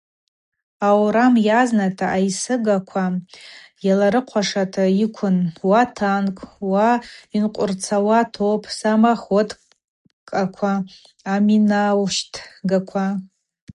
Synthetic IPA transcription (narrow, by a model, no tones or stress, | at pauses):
awɾamjaznatʰaʔajsɨɡakʷʰa | jalaɾɨqʷʰaʂatʰaikʷʰʊnwatʰankʼwainqʷʼʊrt͡sʰawatʰowpʰʼsamaχotʼ | kʼakʷʰaː | minawʃtʰɡakʷʰa